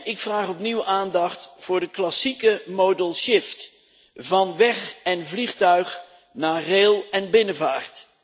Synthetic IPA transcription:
ɪkfraːχɔpniwʔaːndɑχtfʊːɹdəklɑsikəmodəlˠʃɪft | vɑnʋɛχɛnvliχtœɥχ | naːrelˠɛnbɪnəvaːɹt

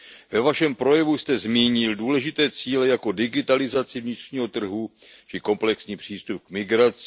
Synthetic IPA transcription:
vɛvaʃɛmpɾo̞jɛvust̪ɛzmiːɲɪlduːlɛʒɪt̪ɛːt͡siːlɛjako̞dɪɡɪt̪alɪzat͡sɪvɲɪt̪r̝̥ɲiːɦo̞t̪r̩ɦu | t͡ʃɪko̞mplɛksɲiːpr̝̥iːst̪up̚kmɪɡɾat͡s

